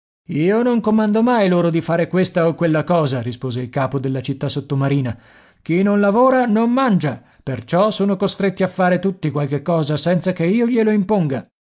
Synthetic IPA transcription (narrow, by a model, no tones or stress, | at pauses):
iːonoŋkomand̪omajloːɾod̪ifaːɾekwest̪aokːwelːakɔːzaɾispoːzeilkaːpod̪elːat͡ʃit̪ːasːot̪ːomaɾiːna | k̟inonlavoːɾanomːand͡ʒa | pert͡ʃɔsoːnokost̪ɾet̪ːiafːaːɾet̪ut̪ːikwalkekːɔːzasɛnt̪sakeiːoʎeloimpoŋɡa